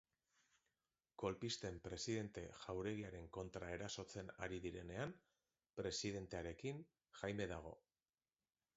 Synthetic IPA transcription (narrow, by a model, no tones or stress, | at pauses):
ko̞lpist̪e̞mpɾe̞siðe̞nt̪e̞ʝawɾe̞ɣ̞iaɾe̞ŋko̞nt̪ɾae̞ɾaso̞t͡se̞naɾiðiɾe̞ne̞am | pɾe̞siðe̞nt̪e̞aɾe̞kiŋ | ʝajme̞ðaɣ̞o̞̰